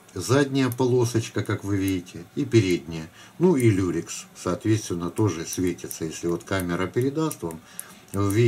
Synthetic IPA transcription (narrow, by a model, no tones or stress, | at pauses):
zadʲnʲɪjəpɐlˠo̞sət͡ɕkəkakvɨvʲidʲɪtʲɪipʲɪɾʲed̪ʲnʲɪjə | nuilʲuɾʲɪkssɐːt̪vʲet̪st̪vʲɪnːət̪o̞ʐɨsʲvʲetʲɪt̪səjesʲlʲɪvo̞t̪kamʲɪɾəpʲɪɾʲɪd̪ast̪vam | vʲi